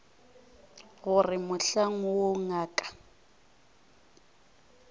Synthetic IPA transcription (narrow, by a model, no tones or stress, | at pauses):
ɣʊrɪmʊɬaŋɔwoŋaːkʼḁ